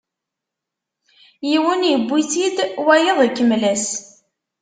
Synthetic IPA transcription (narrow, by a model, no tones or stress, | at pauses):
jiwənjəbːiθid̪wæjəðˤəkːəmlæs